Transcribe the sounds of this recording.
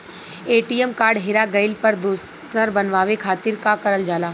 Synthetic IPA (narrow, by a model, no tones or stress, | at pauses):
eːʈiəmkaːɾɖɦɪɾaɡɐɪlpɐɾd̪uːs | t̪əɾbɐnʋaːʋekʰaːt̪ɪɾkakɐɾəld͡ʒaːlaː